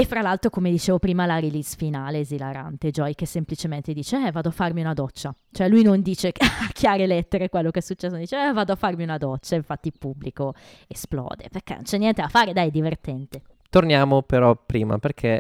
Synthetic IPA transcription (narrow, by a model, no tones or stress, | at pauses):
efːɾalalt̪ɾokomed̪it͡ʃeːvopɾiːmalaɾilisfinaːleːzilaɾa̰nt̪ed͡ʒɔjkesːemplit͡ʃement̪ed̪iːt͡ʃeɛvaːd̪oafːarmiunad̪ɔt͡ʃːat͡ʃoɛlujnond̪iːt͡ʃeakʰjaːɾelɛt̪ːeɾekwelːokeɛsːut͡ʃːɛsːonond̪iːt͡ʃeɛvaːd̪oafːarmiunad̪ɔt͡ʃːaiɱfat̪ːilpubːliko | esplɔ̰ːd̪ḛperkḛno̰nt͡ʃɛnːjɛnt̪ed̪afaːɾed̪ajɛd̪ːivert̪ɛnt̪e | t̪ornjaːmopeɾɔpɾiːma̰perkʰe